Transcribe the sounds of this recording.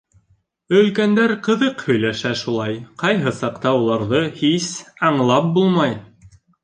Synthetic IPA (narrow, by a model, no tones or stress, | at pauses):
ɵ̆lkænd̪æɾqɤ̆ðɤqhɵ̆jlæʃæʃulˠɑjqɑjɦɤsɑqt̪ɑulˠɑɾðɤhisɑɴlˠɑp̚bulˠmɑj